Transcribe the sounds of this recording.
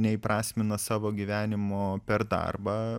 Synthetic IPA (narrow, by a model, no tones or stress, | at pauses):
nʲɛɪpɾɑːsʲmʲɪnɐsɑːʋoːɡʲiʋʲæːnʲɪmoːpʲɛɾd̪ɑ̰rbɑː